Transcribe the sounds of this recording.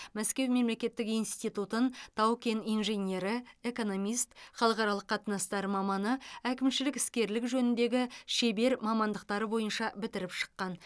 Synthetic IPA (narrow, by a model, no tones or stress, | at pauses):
mæskʲe̞wme̞mle̞kʲe̞t̪ːɪkijnst̪ijt̪ut̪ənt̪ʰɑwkʲenijnʒe̞nʲe̞ɾɪe̞ko̞no̞mijst̪χɑlˠəqɑɾɑlˠəqʰːɑt̪ənɑst̪ɑɾmɑmɑnəækʲɪmʃɪlɪkɪskʲe̞ɾlɪkʒɵnɪnd̪e̞ɡʲɪʃebe̞ɾmɑmɑnd̪əqt̪ɑɾəbo̞jənʃɑbɪt̪ɪɾɪpʃə̥qːɑn